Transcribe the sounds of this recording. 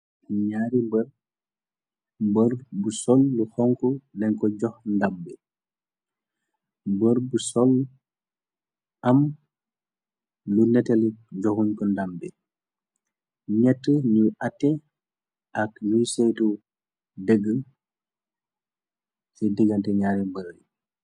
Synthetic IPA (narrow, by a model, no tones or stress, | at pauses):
ɲaːɾimbəɾ | bəɾbusɔlːuhɔŋkɔnɛŋkɔɟɔhndambɛ | bəɾbusɔl | am | lunɛtɛlɟɔhuɲkɔndambɛ | ɲɛtːənujatːɛ | ʔaknujsɛjtu | dəɡːə | sidiɡantɛɲaɾɛmbəɾi